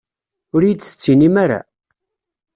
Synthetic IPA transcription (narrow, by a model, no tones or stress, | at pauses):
ʊɾjit͡s̪ːθə̥t͡sːinimaɾa̰